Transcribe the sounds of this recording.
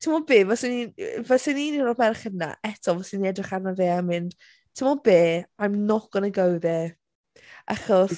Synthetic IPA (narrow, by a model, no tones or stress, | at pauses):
tʰimɔbeːvɛsɪnivɛsɪnininrɔmɛrχədna̰ʔɛtʰɔvɔsiniɛdrɪχarnaveːamɪnd̥ | tʰɪmɔbeːajmnɔɡ̥ɔnəɡəwðɛ | a̰χɔs